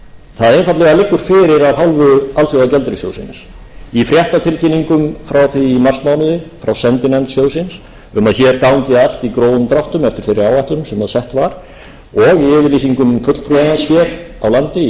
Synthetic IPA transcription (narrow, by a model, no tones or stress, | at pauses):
θaðejnfat̪lɛɣalɪkːʏɾ̥fɪːɾɪɾaðɦalvʏalθjowaðcɛlt̪ɾɪsjo̰wsɪnɪs | ifɾjɛht̪at̪ʰɪlcʰiniŋkʏmfɾawθiːmarst̪mawnʏðɪfɾawsɛnt̪ɪnɛnt̪sjoːwsɪns | ʏmaðçɛːɾkaːwnt̪ɪal̥t̪ikɾoːwðʏmt̪ɾawht̪ʏmɛft̪ɪɾ̥fɪɾɪɾaːwvajht̪ʏɾnʏmsɛmhaðsɛht̪vaɾ̥ | ɔɣiɛvɪɾliːsiŋkʏmkʰfœt̪l̥fʰɾuanansçjɛɾawlant̪ɪ